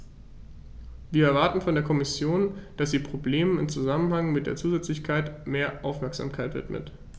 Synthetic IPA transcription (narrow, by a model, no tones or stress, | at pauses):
viːɐɛɐvaɐtn̩fɔndeːɐkʰɔmɪsjoːnd̥asz̥iːpʁ̥obleːmənɪmt͡suzamənhaŋmɪt̚d̥eːɐt͡suːzɛt͡slɪçkʰaɪtmeːɐʔaʊfmɛɐkz̥a̰ːmkʰaɪtv̥ɪ̰tmə̰t